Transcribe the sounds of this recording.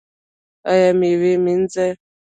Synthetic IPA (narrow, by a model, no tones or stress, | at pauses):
ajamiβemin̩d͡zɛ